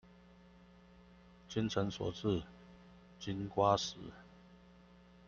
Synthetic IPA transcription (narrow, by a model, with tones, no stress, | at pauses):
t͡ɕi˦nt͡sʰə˨˧˦nswɔ̰˨˩t͡sɹ̩˥˨ | t͡ɕi˦˥nkwa˦s̩˨˦